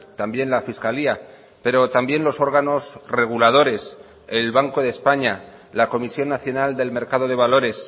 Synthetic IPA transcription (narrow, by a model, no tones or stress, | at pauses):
t̪ambje̞nlafiskalia | pe̞ɾo̞t̪ambje̞nlo̞so̞ɾɣano̞sre̞ɣ̞ulað̞o̞ɾe̞s | e̞lβaŋko̞ð̞e̞spaɲa | lako̞misjo̞nːaθjo̞nald̪e̞lme̞ɾkað̞o̞ð̞e̞β̞alo̞ɾe̞s